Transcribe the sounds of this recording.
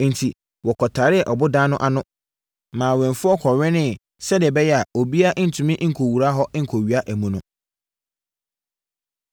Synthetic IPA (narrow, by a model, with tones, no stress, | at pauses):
n̩˨tʰi˨ | wɔ˨kʰɔ˨tʰaː˨ɾɪ˦ɛ˨ʔɔ˨bʊ˦dãː˦nʊ̃˦ʔa˦nʊ̃˦ | mãː˨wɛ̃˨ɱfʊ˦ɔ˦kʰɔ˨ɥɛ̃˦nɪ̃˦ | sɛ˦dɪ˨ɛ˨bɛ˦jɛ˦a˨o˨bi˦a˦ʔn̩˨tʰʊ̃˨mɪ̃˦ʔŋ̩˨kʰo˨wu˨ɾa˦ɦɔ˦ŋ̩˨kʰo˨ɥi˨a˦ʔæ˨mũ˨nʊ̰̃˨